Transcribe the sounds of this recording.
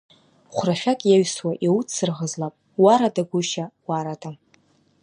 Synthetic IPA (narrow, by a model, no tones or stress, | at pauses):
χʷraʃʲᶣakʼjaɥswaʔiwut͡sʰːɨrʁəzlapʼ | waɾadaɡʷʊʃawaɾadʼa